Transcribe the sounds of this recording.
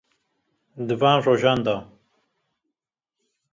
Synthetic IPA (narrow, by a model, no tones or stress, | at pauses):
d̪ɨvaːnroːʒɑːnd̪aː